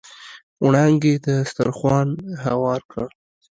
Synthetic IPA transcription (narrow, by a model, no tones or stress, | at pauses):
wɽaŋɡed̪əst̪a̰ɾxwɑnɦawɑɾkʰa